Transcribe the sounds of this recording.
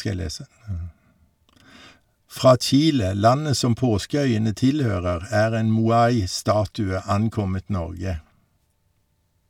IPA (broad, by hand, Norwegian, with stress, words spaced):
ˈfʁɑː ˈt͡ʃiːlə ˈlɑnə ˈsɔm ˈpoːskəˌœʏənə ˈtɪlˌhøːʁəʁ ˈæːʁ ˈeːn muːˈɑɪ ˈstɑːtʉə ˈɑnˌkɔmət ˈnɔʁɡə